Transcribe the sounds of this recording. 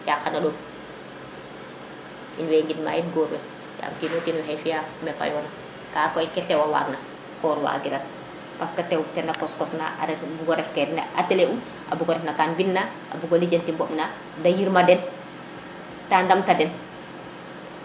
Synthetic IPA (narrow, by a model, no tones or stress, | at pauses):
jaxanaɗɔːm | ḭnwɛŋɡitma̰ːinɡɔːɾwɛ | ja̰mtinotinwɛɦɛjfijamɛpa̰jɔna | kaːkɔjkɛtːɛwawa̰ːɡna | kɔɾwa̰ɡiɾan | paskatɛwtɛnakɔskɔsna̰ʔa̰ɾɛbuɡɔɾɛfkɛdna̰atɛleʔum | ʔa̰buɡɔɾɛfnakaːnbinːa | ʔa̰buɡolid͡ʒentimbɔmna | dajiɾmadɛn | tandamtadɛn